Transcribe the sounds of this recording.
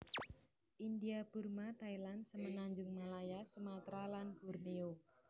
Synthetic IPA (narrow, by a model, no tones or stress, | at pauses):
ʔindiab̥urmat̪ailansəmənaɲd͡ʒʊŋmalajasumat̪ɾalanb̥urneo